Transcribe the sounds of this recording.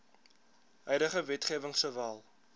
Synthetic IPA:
ɦœjdəχəvɛtχiəvəŋsəvæːlˠ

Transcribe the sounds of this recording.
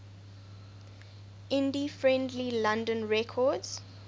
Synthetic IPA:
ʔɪ̃ndifɹɛ̃ndlilãndə̃nɹɛkʰɔdz̥

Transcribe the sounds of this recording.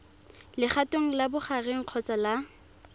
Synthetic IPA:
lɪχatoŋ̩labʊχareŋ̩q͡χʰɔt͡sʼala

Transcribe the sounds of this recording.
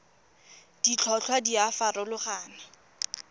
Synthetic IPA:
d̥it͡ɬʰɔt͡ɬʰwadiafarɔlʊχaːna

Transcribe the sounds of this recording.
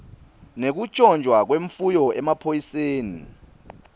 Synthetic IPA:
nek̬ut͡ʃʼɔnd͡ʒʱwak̬weɱfujɔʔɛmapʰojiseːnḭ

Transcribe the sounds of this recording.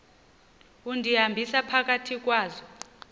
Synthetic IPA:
undʱiɦambʱisapʰak̬ʼatʰik̬ʼwaːzɔ

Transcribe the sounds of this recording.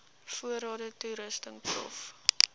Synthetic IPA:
fuəɾɑːdətuɾəstəŋprɔ̰f

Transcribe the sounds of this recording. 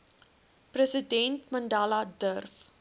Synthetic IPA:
prəsidɛntmɐndaːladərf

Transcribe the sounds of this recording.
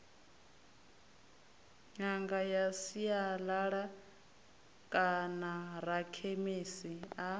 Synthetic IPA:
ɲaŋɡajasijalaɺa | kʼanaɾakʰemisia

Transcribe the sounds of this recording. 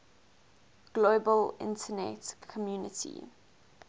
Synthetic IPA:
ɡ̥loːbəlɪ̰̃ntʰənɛ̰tkʰɔmjuːnɪtʰḭ

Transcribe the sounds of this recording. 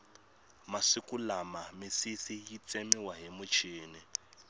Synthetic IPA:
masikʼulamamisisijit͡sʼɛmiwaɦimut͡ʃʰiːni

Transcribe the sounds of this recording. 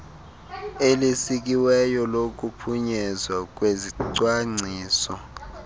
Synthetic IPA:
elisik̬iwɛjɔlok̬ʼupʰuɲɛzwak̬ʼweziǀwaŋ͡ǀʱiːsɔ

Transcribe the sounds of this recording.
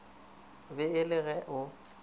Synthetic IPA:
bɪɪlɪɣɛʔʊ

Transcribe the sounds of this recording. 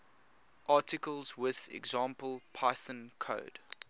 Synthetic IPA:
ʔɑˑtɪkəlˠzwɪðɛ̰ɡzɑ̃ːˑmpəlˠpʰaɪsə̃nkʰo̰ːd̥

